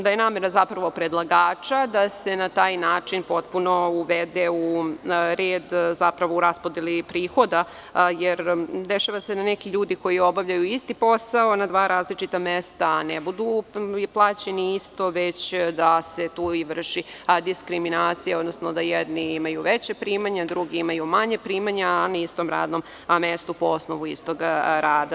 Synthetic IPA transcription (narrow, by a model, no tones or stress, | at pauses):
d̪ajenaːmeɾazapɾɐʋo̞pɾed̪lˠaɡaːt͡ʃad̪asenat̪aːjnaːt͡ʂinpo̞t̪puno̞uʋed̪euɾeːd̪zapɾaʋo̞uɾaspod̪elipɾiːxo̞d̪a | jeɾd̪eʃaʋased̪anekiʎuːd̪iko̞jio̞baʋʎʲajuist̪ipo̞sao̞nad̪ʋaːɾʔaːzlit͡ʃit̪amest̪anebud̪uplˠaːt͡ɕeniist̪o̞ʋe̞t͡ɕd̪aset̪uːiʋr̩ʃid̪iskɾiminaːt̪sijeod̪nosnod̪ajɛd̪niimajuʋet͡ɕepɾiːmaɲad̪ɾuɡiimajumaɲepɾiːmaɲaanaist̪o̞mɾa̰ːd̪no̞m | mest̪upoosnoʋuist̪oɡɾaːd̪a